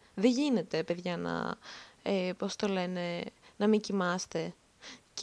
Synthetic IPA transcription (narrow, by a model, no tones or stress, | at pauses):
ðeʝine̞t̪e̞pe̞ðʝɐnɐ̰epo̞st̪o̞le̞ne̞nɐmicimɐst̪e̞ | c